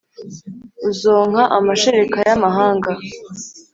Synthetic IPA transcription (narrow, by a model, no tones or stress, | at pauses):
uzo̞ːŋ̥haʔamaʃeɾekajamaɦaːŋɡa